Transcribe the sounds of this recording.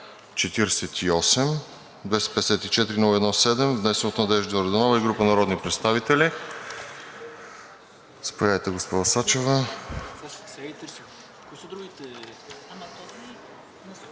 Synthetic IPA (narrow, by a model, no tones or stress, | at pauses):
t͡ʃɛt̪iɾɛsɛt̪iɔsɛm | d̪vɛst̪ɛ̥pɛd̪ɛsɛt̪it͡ʃɛt̪iɾinulˠəɛd̪nɔsɛd̪ɛmvnɛsɛnot̪nɐd̪ɛʒd̪ioɾɐd̪onɔlˠəiɡɾupənɐɾɔd̪nipɾɛt̪st̪avit̪ɛli | spojajt̪ɛɡospɔd̪əsat͡ʃɛvə | t̪ɾ | koisəd̪ɾuɡʲit̪ɛ | t̪